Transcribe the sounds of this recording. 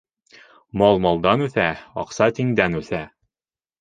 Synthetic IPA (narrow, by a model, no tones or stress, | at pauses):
mɑlˠmɑlˠd̪ɑnʉθæɑ̰qsɑt̪iŋd̪ænʉθæ